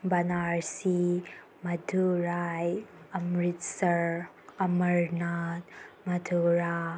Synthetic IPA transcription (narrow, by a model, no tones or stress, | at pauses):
bɐnaɾsi | mɐdʱuɾajɐmɾit̚sɐɾ | ɐmɐɾnat̚mɐdʰuɾa